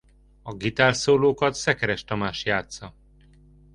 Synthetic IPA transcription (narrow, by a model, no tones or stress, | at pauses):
ɒɡit̪aːlsoːloːkɒt̪sɛkɛɾɛʃt̪ɒmaːʃjaːt̪sɒ